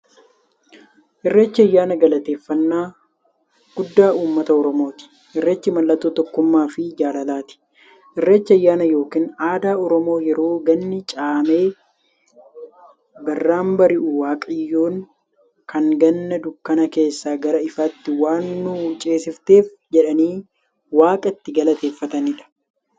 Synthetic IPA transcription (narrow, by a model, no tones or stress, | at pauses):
ʔɪrːeːt͡ʃːɪɐjːaːnɐɡɐlɐt̪e̞ːfːɐnːaː | ɡ̥ʊd̪ːaːuːmːɐt̪ɐɔɾɔmo̞ːt̪ɪ̥ | ʔɪrːeːt͡ʃːɪmɐlːɐt̪ːoːt̪ɔkːʊmːaːfɪd͡ʒaːlɐlaːt̪ɪ̥ | ʔɪrːeːt͡ʃːɪɐjːaːnɐjo̞ːkiːnaːd̪aːɔɾɔmo̞ːjɛɾo̞ːɡɐnːɪt͡ʃʼaːme̞ː | bɐrːaːmbɐɾɪʔʊwaːkʼɪjːoːŋ | kɐŋɡɐnːɐd̪ʊkːɐnɐke̞ːsːaːɡɐɾɐɪfɐt̪ːɪwaːnːʊt͡ʃʼe̞ːsɪft̪e̞ːf | d͡ʒɛᶑɐniː | waːkʼɐt̪ːɪɡɐlɐt̪e̞ːfːɐt̪ɐnɪᶑɐ̥